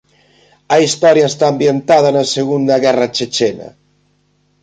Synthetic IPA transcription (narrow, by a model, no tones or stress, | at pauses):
aist̪ɔɾjaest̪aːmbjent̪að̞anaseɣund̪aɣɛrat͡ʃet͡ʃena̰